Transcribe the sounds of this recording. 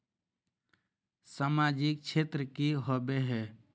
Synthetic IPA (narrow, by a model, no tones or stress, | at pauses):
samad͡ʒɪk̚t͡ʃʰet̪ɾəkiɦobeɦɛ